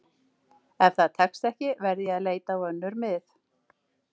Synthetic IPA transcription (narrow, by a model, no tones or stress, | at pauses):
ɛfθaðt̪ʰɛkst̪ɛhcɪvɛɾðjɛaðleːjt̪awœnːʏɾmɪθ